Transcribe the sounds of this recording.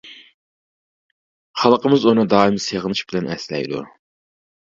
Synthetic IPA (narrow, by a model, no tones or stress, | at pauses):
χɑlˠqəmɪzunɨd̪ɑːimseʁənˠɨʃbɪlɛnʔɛ̰slɛ̰jd̪ṵ